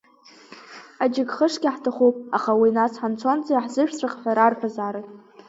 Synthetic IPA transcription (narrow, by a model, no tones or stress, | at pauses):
ad͡ʒɪɡχəʂɡʲaħtʰaχupʼaχawinasħant͡sʷʰont͡sʼajħzɨʃᶣt͡ɕʷʰaqʼħʷᶣaɾarħʷazaɾatʼ